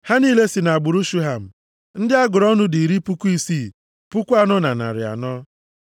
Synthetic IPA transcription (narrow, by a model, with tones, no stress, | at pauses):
ha˦niː˦le˦si˨na˨ɡ͡bʊ˨ɾu˦ʃu˦ɦa˨m̩˨ | n̩˦dɪ˦a˦ɡʊ˨ɾɔ˦nʊ˦di˨ɾi˦pu˦kʷu˦i˦siː˦˨ | pu˦kʷu˦a˦nɔ˦na̰˨na̰˨ɾɪ̰˨a̰˨nɔ˦